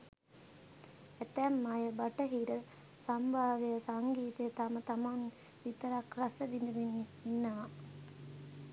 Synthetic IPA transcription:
æt̪æmːajəbaʈəɦiɾə | sambʱaːʋejəsaŋɡiːt̪əjət̪amət̪aman | ʋit̪əɾakrasədind̪uʋinːiinːəʋa

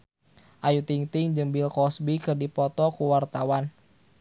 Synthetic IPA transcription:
ʔajut̪iŋt̪ɪŋd͡ʒəmbɪlkɔsbikərdipɔt̪ɔkuwart̪awan

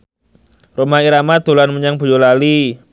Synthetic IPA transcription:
romaɦiɾamad̪̥o̤lanməɲaŋb̥o̤jolali

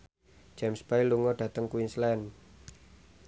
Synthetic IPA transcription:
d͡ʒɛmspajluŋɔɖ̥ä̤t̪əŋkuinslɛn

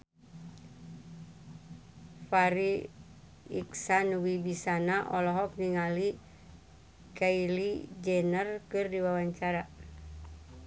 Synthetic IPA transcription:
faɾi | ḭksanuwibisanaʔɔlɔɦɔk̚niŋali | kailid͡ʒɛnərkɨrdiwawaɲt͡ʃaɾa

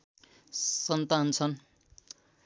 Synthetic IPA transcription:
sʌnt̪ant͡sʰʌn

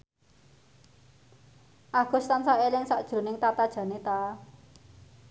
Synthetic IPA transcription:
ʔaɡ̥ɔ̤st̪ansaʔelɪŋsaʔd̥ʒ̥ɾo̤nɪŋt̪at̪ad̥ʒ̥ä̤net̪a

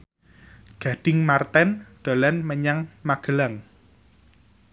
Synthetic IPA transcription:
ɡ̥a̤ɖ̥ɪŋmart̪ɛnɖ̪̥o̤lɛnməɲaŋmaɡ̥ə̤laŋ

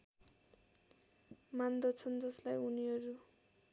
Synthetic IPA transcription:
mand̪ʌt͡sʰʌnd͡zʌslajuniɦʌɾu

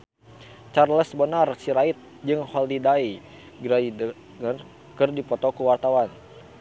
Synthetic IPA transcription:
t͡ʃarləsbənarsiɾait̪̚ | d͡ʒɨŋhɔldidai | ɡɾaid | ŋər | kɨrdipɔt̪ɔkuwart̪awan

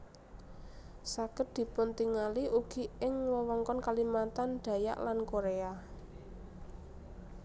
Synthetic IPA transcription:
saɡ̥əd̪̥i̤pʊnt̪iŋaliʔuɡ̥i̤ɪŋwɔwɔŋkɔnkalimat̪and̪̥ä̤ja̰ʔlankoɾea

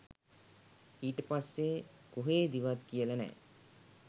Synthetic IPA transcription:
iːʈəpasːekuɦeːd̪iʋat̪kijələnɛ̰ː

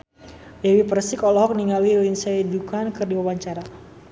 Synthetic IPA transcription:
lɛwipərsikɔlɔɦɔk̚niŋalwilinsɛidukankərdiwawaɲt͡ʃaɾa

